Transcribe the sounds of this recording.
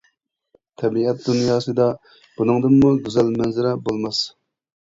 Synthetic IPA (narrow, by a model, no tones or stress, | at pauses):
t̪ʰɛbiɛt̪̚d̪unjɑːsɨd̪ɑ | b̥unɨŋd̪ɨmmuɡʲyzɛlmɛnzɪɾɛbolˠmɑs